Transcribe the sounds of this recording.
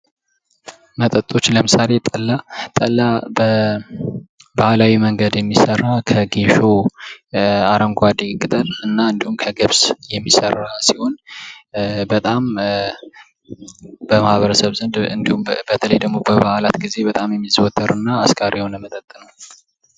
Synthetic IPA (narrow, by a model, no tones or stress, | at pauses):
mət̪ʼət̪ʼo̞t͡ʃːləmɨsale̞t̪ʼəlːat̪ʼəlːabə | bahlawiməŋɡəd̪jɛmːisərːakʰəɡeʃo̞ | aɾəŋɡʷad̪ikʼːɨt̪ʼəlɨnːaɨnd̪ihumkʰəɡɨβsjɛmːisərːasiho̞n | bət̪ʼam | bəmahβəɾəsəβzɨnd̪ɨnd̪ihumbət̪ʰələjd̪əɡmo̞bəβaʔalat̪ɡize̞bət̪ʼamjɛmːizwɔt̪ʰːəɾɨnːaːskʰʼaɾionəmət̪ʼət̪ʼːnəw